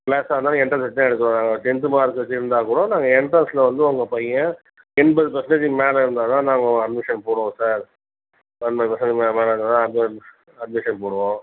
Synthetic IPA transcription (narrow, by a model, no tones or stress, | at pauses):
leːsaːʋɐnd̪aːɛɳʈɾɐnsɐʈ̪ːãːɛɽɯkːɯɾõːnaːŋɡɐʋɐt͡ʃːɛnt̪ɯmaːɪɾɯkːɯʋɐt͡ʃːɪɪɾɯnd̪aːkuːɽõːnaːŋɡɐɛɳʈɾɐslɐʋɐnd̪ɯɔŋɡɐpɐjɐ̃ | ɛɳbɐðɯpɐsɐɳɐd͡ʒimeːlɐɪɾɯnd̪aːnãːnaːŋɡɐ̃ɐɖ̚mɪʂɐnpoːɽõːsaːɾ | ɐnbɐðɯpɐsɐnɖmemeːlɐɯnd̪aːnãːɐd̚ | ɐɖ̚mɪʂɐnpoːɽɯʋõː